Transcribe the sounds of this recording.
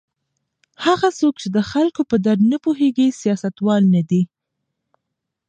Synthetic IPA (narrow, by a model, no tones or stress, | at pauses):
haɣasok̚t͡ʃed̪əxalkopəd̪aɾd̪napuɦeɡisjɑsat̪wɑlnad̪i